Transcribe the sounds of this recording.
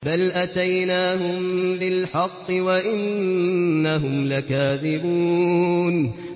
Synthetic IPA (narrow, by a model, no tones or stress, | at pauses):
balʔat̪ajnaːɦʊmbɪlħɑqːɨwaʔɪnː | aɦʊmlakaːðɪbuːn